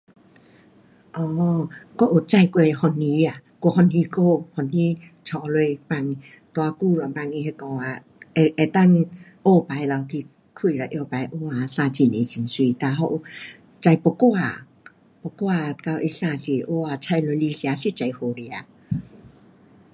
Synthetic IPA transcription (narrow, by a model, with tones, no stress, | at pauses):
ʔɔː˧˦ko˧˨ʔo˨˩t͡sa˧˨jkwe˧hɔ˧nːi˧˦a˨ko˧hɔ˧nĩ˧˦ko˧˨hɔ˧ni˧˦ | t͡ɕʰɔ˨˧˦lwe˧jpa˧ŋ | t̪wa˧ku˧˨lɔ˨pa˧˨ŋi˧ɦe˧kɔ˧ŋa˧ | e˧ʔe˧t̪a˥˧˨nʔo˧pa˨˦jla˧wkʰi˧ | kʰu˧˨la˨˩ʔjo˧pa˨˦jʔo˧˦a˨˧sã˧t͡ɕi˧˩ne˨t͡ɕi˨˧˨nswi˧˨t̪a˧ɦɔ˧ʔo˨˩ | t͡ɕa˧jpɔ˧kwa˧˨ | pɔ˧kwa˧˨ka˧wʔe˧sa˧˨si˧ʔo˧˦a˧˩t͡ɕʰa˧jlo˧jli˧sja˨˧˦si˧t͡ɕa˨˧˦jho˧˨li˧˨a˧˦